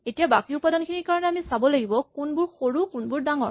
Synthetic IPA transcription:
etijabakiupadɔnkʰiniɹkaɹɔnɛamisabɔlaɡibɔkunbʊɹxoɹukunbʊɹdaŋɔ̰ɹ

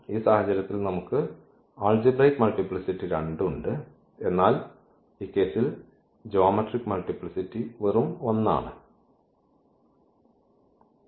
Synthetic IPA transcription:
iːsaːhɐt͡ɕːɐɾɐt̪ːilnɐmukːɨ | aːld͡ʑibrɐjkmɐlʈipɭisiʈːiɾɐɳɖuɳɖɨ | e̞nːaːl | iːkːe̞ːsil | d͡ʑoːmɐʈrikːmɐlʈipɭisitːiʋerumʋɐnːa̰ːɳɨ

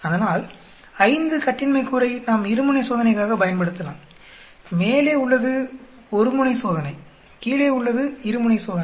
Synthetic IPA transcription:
ɐðɐnaːl | ɐɪnd̪ɯkɐʈːɪnmɐɪkːuːɾɐɪnaːmɪɾɯmɯnɐɪsoːðɐnɐɪkːaːɣɐpɐjɐnpɐɽɯt̪ːɐlã̰ːm | meːleːʊɭːɐðɯ | ɔɾɯmɯɳɐɪsoːðɐnɐɪ | kiːleːʊɭːɐðɯɪɾɯmʊɳɐɪsoːðɐn

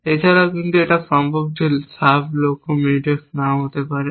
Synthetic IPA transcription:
et͡ɕʰaɾakint̪ueʈaʃɔmbʱob̚d͡ʑesablokomiʈeknaɦot̪epaɾe

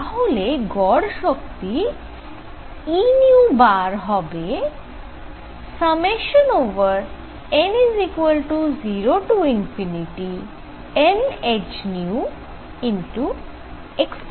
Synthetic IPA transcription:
aɦoleɡɔɽʃɔkt̪i | iniubaɾɦɔbe | səmeʃənoʋəɾ | enizikwəlʈuziɾoʈuinfiniʈi | ened͡ʑniu | inʈu | eksp

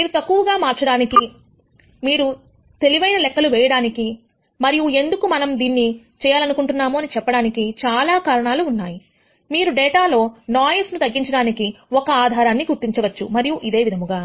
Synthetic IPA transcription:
miːɾut̪ɐkːuʋɐɡaːmaːɾt͡ʃɐɽaːniki | miːɾu | t̪e̞liʋɐjnɐlɛkːɐluʋɛːjɐɽaːniki | mɐɾijue̞nd̪ukumɐnɐmd̪iːnːi | t͡ʃɛːjaːlɐnukuɳʈunːaːmuɐnit͡ʃɛpːɐɽaːnikit͡ʃaːlaːkaːɾɐɳaːluːnːaːji | miːɾuɖɛːʈaːlo̞ːnaːjɐsnut̪ɐɡːiɲt͡ʃɐɽaːnikiɔkɐaːd̪ʱaːɾaːnːiɡuɾt̪iɲt͡ʃɐʋɐt͡ʃːumɐɾijuʔid̪e̞ːʋid̪ʱɐmuɡaː

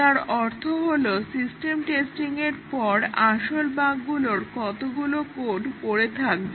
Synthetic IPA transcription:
t̪aɾɔɾt̪ʰoɦolosisʈemʈesʈiŋeɾpɔɾaʃolbaɡɡuloɾkɔt̪oɡulokoɖpoɾet̪ʰak̚be

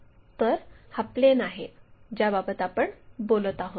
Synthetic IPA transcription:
t̪əɾhaplenaɦed͡ʑjababət̪apəɳbolət̪aɦot̪

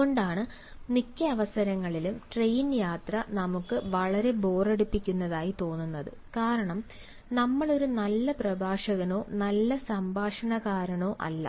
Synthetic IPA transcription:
oɳɖaːɳɨ | nikʲːɐɐʋɐsɐɾɐŋːɐɭilumʈrejnjaːt̪rɐnɐmukːɨʋɐɭɐɾe̞bo̞ːreɽupːikʲːunːɐðaːjit̪o̞ːnːunːɐðɨ | kaːɾɐɳɐm | nɐmːɐɭo̞ɾunɐlːɐprɐbʱaːʂɐɣɐno̞ːnɐlːɐsɐmbʱaːʂɐɳɐɣaːɾɐɳo̞ːʔɐ̰lːɐ̰

